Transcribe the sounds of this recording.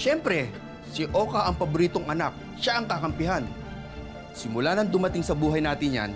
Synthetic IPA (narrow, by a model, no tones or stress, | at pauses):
ʃɛmpɾɛ | sɪʔo̞ːkɐʔɐŋpɐbʊɾiːt̪oŋɐnak̚ | ʃaʔɐŋkakɐmpɪɦan | sɪmʊlaːnɐŋd̪ʊmɐt̪ɪŋsɐbuːɦɐjnaːt̪ɪnja̰n